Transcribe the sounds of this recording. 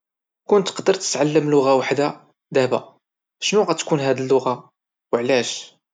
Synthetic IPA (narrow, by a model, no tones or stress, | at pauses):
kʊnt̪ːqd̪əɾˤt̪ə̥t̪ʕalːəmlʊɣawaħd̪a | d̪æhba̰ | ʃnuɣæt̪kunɦæd̪əlːʊɣa | wəʕlæʃ